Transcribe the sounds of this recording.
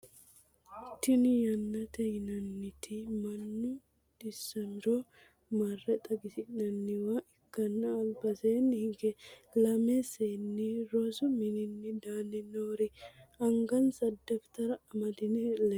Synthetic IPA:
t̪ːɪnɪjɐnːɐt̪ɛjnɐnːɪt̪ʰɪmɐnːʊ | d̪ɪsːɐmɪɾo | mɐrːɛt̪ʼɐɡɪsɪnːɐnːɪwaʔɪkːɐnːɐːlbɐseːnːɪhɪŋɡɛlɐmeseːnːiɾosʊmɪnɪnːɪd̪aːnɪnoːɾɪɐŋɡɐnsɐd̪ːɛft̪ɐɾɐɐmɐd̪ɪnɪlɛ

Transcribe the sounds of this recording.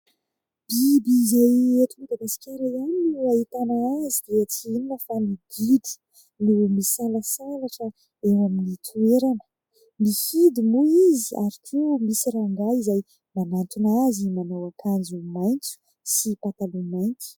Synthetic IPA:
b̥ibiːzajeʈ͡ʂ̪imid̪aɡasi̥kʲaɾajaninuait̪anaazid̪eat͡sininəfamid̪id̪i̥ | numisalasalaʈ͡ʂə | ewaminit̪ʰueɾanə̥ | mifid̪imuiziaɾik̪ʰeumisiɾaŋɡaizaj | manant̪unazimanawakʰand͡zumajnt͡su̥ | sipat̪alumajnt͡su̥

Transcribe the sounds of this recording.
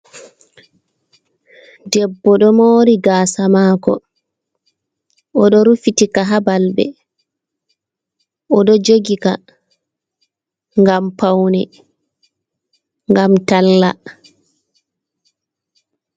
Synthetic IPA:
dɛbːɔɗɔmoːɾiɡaːsamaːkɔ̰ | ʔɔɗɔɾufitikaɦabalbɛ̰ | ɔɗɔd͡ʒoɡika̰ | ŋɡampawnɛ | ŋɡamtalːa

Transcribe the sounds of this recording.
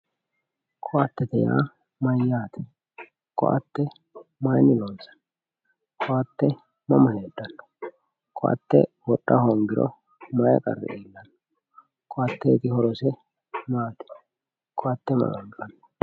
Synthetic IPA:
kʰʼɔʔɐt̪ːɛt̪ɛja̰ː | mɐjːaːt̪ɛ̥ | kʼɔ̰ʔɐ̰t̪ːɛ | mɐjnɪloːnsɐ̥ | kʰʼɔɐt̪ːɛ | mɐmɐleːd̪ːɐnːɔ̥ | kʼɔʔɐ̰t̪ːɛ̰wɔɗːɐhoːŋɡɪɾɔ̰ | mɐjɐ̰kʼɐ̰rːɛ̰ʔeːlːɐnːɔ | kʼɔʔɐt̪ːɛt̪ɪhɔɾɔsɛ | maːt̪ɛ̥ | kʼɔɐt̪ːɛmɐ̰ʔɐŋɡɐnː

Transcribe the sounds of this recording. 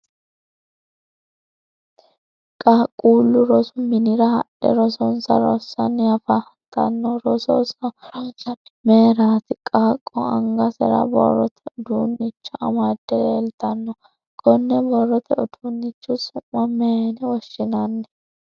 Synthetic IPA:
kʼaːkʼːuːlːʊɾɔsʊmɪnɪɾɐhɐɗɛ̰ɾɔsɔnsɐ̰ɾɔ̰sːɐnjɐfɐ | t̪ːɐ̰nːɔɾɔsɔ̰sɐ | meːɾaːt̪ɪkʼaːkʼːɔɐ̰ŋɡɐsɛ̰ɾɐ̰bɔ̰rːɔ̰t̪ʰɛɔd̪uːnːɪt͡ʃːʊʔɐ̰mad̪ːɛeːlt̪ɐnːɔ | kʰʼɔnːɛbɔrːɔt̪ʰɛɔd̪unːɪt͡ʃːʊsʊmːɐmenɛwɔʃːɪnɐnːɛ

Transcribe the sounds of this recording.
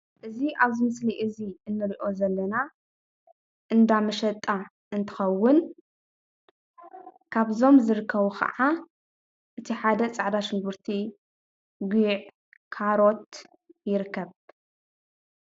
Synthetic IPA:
ʔɨziʔaβzɨmɨsliʔɨziʔɨnːɨɾiʔo̞zɐlːɐna | ʔɨnd̪amɐʃɐt̪ʼa | ʔɨnt̪ʰɨ̥xɐwːʊn | kʰaβzo̞mzɨɾɨkʰːɐβuxʰɐ̰ʕa | ʔɨt̪ʰiħad̪ɐt͡sʼaʕd̪aʃɪŋɡuɾt̪ʰi | ɡʷiʕ | kʰaɾo̞t̪̚ | jɪɾɨkʰːɐβ

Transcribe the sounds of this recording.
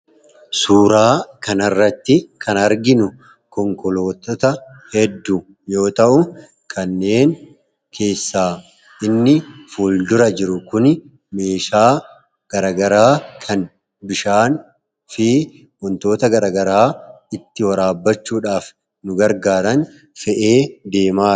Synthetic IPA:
suːɾaːkɐnɐrːɐt̪ːɪkʰɐnɐɾɡɪnʊ | kɔŋkɔlo̞ːt̪ɔt̪ɐ | hɛd̪ːu | jo̞ːt̪ɐʔʊ | kʰɐnːe̞ːn | kʰe̞ːsːaː | ɪnːɪfuːld̪ʊɾɐd͡ʒɪɾʊkʊn | me̞ːʃaː | ɡ̥ɐɾɐɡɐɾaːkʰɐn | bɪʃaːn | fɪ | mɔnt̪o̞ːt̪ɐɡɐɾɐɡɐɾaː | ɪt̪ːɪwɐɾaːbːɐt͡ʃːuːᶑaːf | nʊɡɐɾɡaːɾɐn | fɛʔe̞ːd̪e̞ːmaː

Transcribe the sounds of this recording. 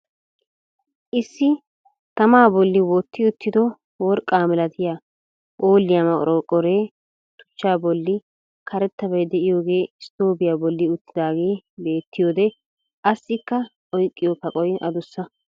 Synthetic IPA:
ʔɪsːɪ | t̪ɐmaːbɔlːɪwɔt̪ʰːɪʊt̪ːɪd̪ɔ | wɔɾkʼːaːmɛlɐt̪ɪja | ʔoːlːɪjamɐkʼɾoːkʼɔɾe̞ː | t̪ʊ̥t͡ʃːaːbɔlːɪ | kʰɐɾɛt̪ːɐbɐjd̪ɛʔɪjo̞ːɡe̞ːɪst̪oːbɪjaːbɔlːɪʊt̪ːɪd̪aːɡe̞ːbe̞ːt̪ːɪjoːd̪ɛ | ʔɐsːɪkːɐ | ʔɔjkʼːɪjɔpɐkʼɔjɐ̰d̪ʊsːɐ

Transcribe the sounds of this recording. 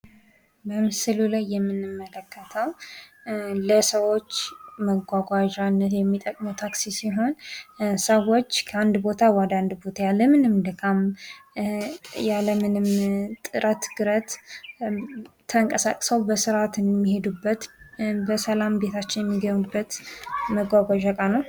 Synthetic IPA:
bəmɨsɨlulajːɛmːɨnɨmːələkːət̪ʰəw | ləsəwo̞t͡ʃːməɡʷaɡʷaʒanːət̪jɛmːit̪ʼəkʼməwt̪ʰaksisiɦo̞nsəwo̞t͡ʃːkʰəand̪bo̞t̪ʰawad̪and̪bo̞t̪ʰajalːəmɨnɨmd̪ɨkʰam | jaləmɨnɨmt̪ʼɨɾʔət̪ɡ̥ɨɾət̪ | t̪ʰːəŋkʼəsa̰kʼsəwbəsɨɾat̪ɨnmːihe̞d̪ubːət̪bəsəlambe̞t̪ʰat͡ʃːɪnjɛmːiɡəɲːubːət̪məɡʷaɡʷaʒakʼanəw

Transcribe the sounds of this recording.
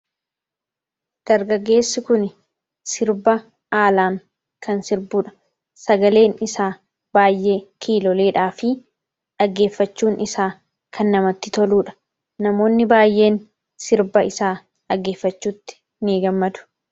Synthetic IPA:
d̪̥ɐɾɡɐɡːe̞ːsːɪkʊn | sɪɾbɐ | aːlaːŋ | kʰɐnsɪɾbuːᶑɐ̥ | sɐɡɐle̞ːnɪsaː | baːjːʔe̞ːkʰiːlɔle̞ːᶑaːfɪ | ᶑɐɡːe̞ːfːɐt͡ʃːuːnɪsaː | kʰɐnːɐmɐt̪ːɪt̪ɔluːᶑɐ̥ | nɐmo̞ːnːɪbaːjʔe̞ːn | sɪɾbɐɪsaː | ᶑɐɡːe̞ːfːɐt͡ʃːuːt̪ːɪ̥ | niɡɐmːɐd̪ʊ̥

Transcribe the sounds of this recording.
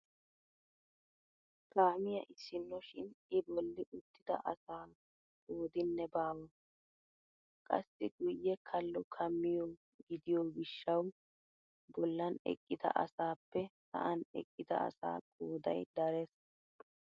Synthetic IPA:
kaːmɪjɐʔɪsɪnːɔʃɪnɪbɔlːɪʔʊt̪ːɪd̪ɐ̰ʔɐsaː | kʼoːd̪ɪnːɛbaːwɔ | kʼɐ̰sːɪɡʊjːɛkʰɐlːɔkʰɐmːɪjɔ | ɡɪd̪ɪjoːɡɪʃːɐw | bɔlːɐnɛ̰kʼːɪd̪ɐ̰ʔɐ̰saːpːɛsɐ̰ʔɐnɛ̰kʼːɪd̪ɐ̰ɐ̰sa̰ːkʼoːd̪ɐ̰jd̪ɐɾɛs

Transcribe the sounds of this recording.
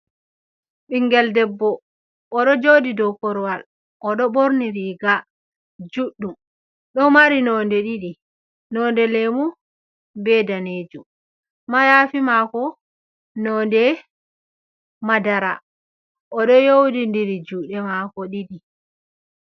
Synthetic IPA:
ɓiŋɡɛldɛbːɔː | ɗɔd͡ʒodidɔkɔɾwal | ʔɔɗɔɓoɾniɾiɡa | d͡ʒuɗːum | ɗɔmaɾinɔndɛɗiɗi | nɔndɛlɛmu | bɛdaneːd͡ʒum | majaːfimakɔ | nɔːndɛ | madaɾa | ʔɔɗɔjowdindiɾid͡ʒuːɗɛmakɔɗiɗi

